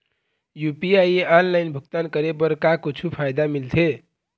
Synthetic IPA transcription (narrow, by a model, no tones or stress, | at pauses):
jupiajeanlajnbʱuk̚t̪ankəɾebəɾkakut͡ʃʰupʰajd̪amilt̪ʰe